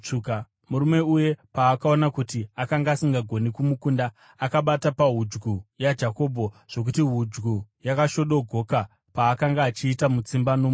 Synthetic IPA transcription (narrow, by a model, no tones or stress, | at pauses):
t͡ʂuka | muɾume̞uje̞paːkao̞nakutiakaŋɡaːsiŋɡaɡʱo̞nikumukuːnda | akaɓatapaɦud͡ʒɡujad͡ʒako̞ːbʱo̞ | ʐ̥o̞k̬utiɦud͡ʒɡujakaʃo̞ɗo̞ɡʱo̞ka | paːkaŋɡaːt͡ʃiːtamut͡simbano